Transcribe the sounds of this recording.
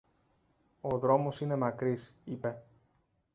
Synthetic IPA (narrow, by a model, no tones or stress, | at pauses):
o̞ðɾo̞mo̞sine̞mɐkɾisipe̞